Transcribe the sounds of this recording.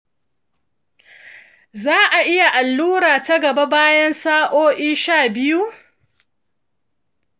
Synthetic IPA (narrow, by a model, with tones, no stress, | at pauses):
zaː˦ʔa˨ʔɪ˦ja˨ʔa˨lːuː˦ɾaː˨tɐ˦ɡɐ˨ba˦baː˦jɐ˦nsaː˦ʔoː˦ʔiː˦ʃaː˦˨bɪ˦ju˦